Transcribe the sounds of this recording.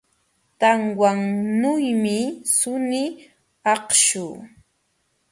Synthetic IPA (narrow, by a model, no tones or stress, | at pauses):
t̪aŋwaŋnʊjmɪsʊnɪ | ɑqʃuː